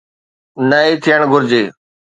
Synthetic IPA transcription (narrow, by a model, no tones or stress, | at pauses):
nəiːt̪ʰijəɳɡʱʊɾd͡ʑeː